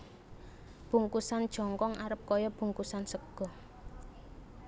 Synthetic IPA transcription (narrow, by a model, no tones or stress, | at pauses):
b̥uŋkusand̥ʒ̥ɔ̤ŋkɔŋʔaɾəp̚kɔjɔb̥ṳŋkusansəɡ̥ɔ